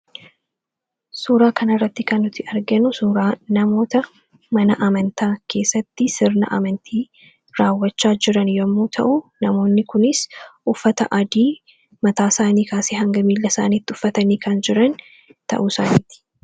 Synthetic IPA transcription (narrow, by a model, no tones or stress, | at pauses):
suːɾaːkɐnɐrːɐt̪ːɪkɐnːʊt̪ɪɐɾɡɛnʊsuːɾaːnɐmo̞ːt̪ɐ | mɐnɐʔɐmɐnt̪aːkʰe̞ːsːɐt̪ːɪsɪɾnɐ̰ʔɐ̰mɐnt̪ʰiː | ɾaːwːɐt͡ʃːaːd͡ʒɪɾɐnjɔmːuːt̪ʰɐ̰ʔʊnɐmo̞ːnːɪkʊnɪsʔʊfːɐt̪ɐʔɐd̪iː | mɐt̪aːsaːniːkaːseːhɐŋɡɐmiːlːɐsa̰ːniːt̪ːɪʊfːɐt̪ɐniːkɐnd͡ʒɪɾɐn | t̪ɐ̰ʔusaːniːt̪ɪ̥